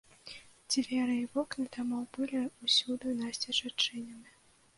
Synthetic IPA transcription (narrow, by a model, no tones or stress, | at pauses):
d͡zʲvʲɛɾɨivɔknɨt̪amɔwbɨlʲiusʲud̪ɨnasʲt͡sʲɛʐat͡ʂɨnʲɐmʲi